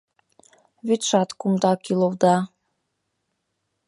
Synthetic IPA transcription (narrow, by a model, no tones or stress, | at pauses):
βyt̪ʃɑt̪kumd̪ɑkilold̪ɑ